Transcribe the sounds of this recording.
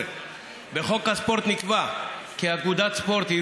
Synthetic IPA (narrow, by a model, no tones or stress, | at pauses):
beχo̞khaspo̞ʁt̪nikvakiaɡud̪at̪spo̞ʁt̪i